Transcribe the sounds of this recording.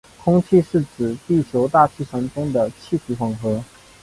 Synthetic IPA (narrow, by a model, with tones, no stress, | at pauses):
kʰʊ˥ŋt͡ɕʰi˥˧ʂɻ̩˥˩t͡sɹ̩˨˩t̪i˥˩t͡ɕʰjo˧˥ʊt̪a˥˧t͡ɕʰi˥˩ʂə˧˥nʈ͡ʂʊ˥ŋd̪ə˨t͡ɕʰi˥˩tʰi˧˥fɑ˨˩ŋxɤ˧˥